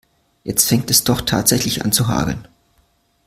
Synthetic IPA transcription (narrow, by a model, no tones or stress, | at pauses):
jɛt͡stfɛŋtɛsd̥ɔχtʰa̰ːtz̥ɛçlɪçʔa̰nt͡suɦa̰ːʁə̰n